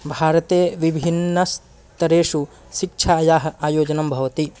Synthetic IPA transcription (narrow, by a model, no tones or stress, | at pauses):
bʱaːɾɐt̪eːʋibʱinːɐs | t̪ɐɾeːʂu | ʃik̚t͡ʃʰaːjaːɦɐ̆aːjoːd͡ʒɐnɐmbʱɐʋɐt̪i